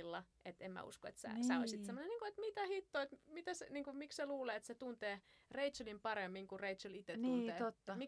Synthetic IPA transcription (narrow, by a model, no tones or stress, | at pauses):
lːɑʔet̪emmæ̰ṵskoḛt̪sæ̰sæo̰isit̪semːoneniːŋkuet̪mit̪æhit̪ːoet̪mit̪æseniːŋkumiksseluːleːet̪set̪unt̪eː | reit̪t͡ʃulimpɑremːiŋkureiulit̪et̪niuːnːt̪eːt̪ot̪ːɑmi